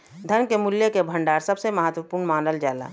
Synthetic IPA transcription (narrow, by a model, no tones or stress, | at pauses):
d̪ʱənkemʊljekebʱə̃ɳɖaːɾsəbseməɦət̪wəpuːɾnmaːnəld͡ʒaːla̰ː